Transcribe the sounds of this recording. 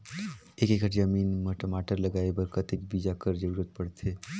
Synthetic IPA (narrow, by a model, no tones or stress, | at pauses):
ekekəʈd͡ʒəminməʈəmaʈəɾləɡaebəɾkət̪ekbid͡ʒakəɾd͡ʒəbiɾod̪̚pəɽt̪ʰe